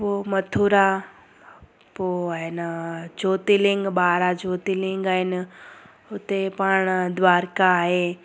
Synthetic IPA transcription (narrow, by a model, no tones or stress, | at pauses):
poːmɐt̪ʰuɾa | poːaːɦɪnd͡ʒoːt̪ilɪ̃ŋɡɓaːɾad͡ʑoːt̪ilɪ̃ŋɡaːɦɪnɪ̆ | ʊt̪epaːɽ̃d̪ʋaːɾkaːɦeː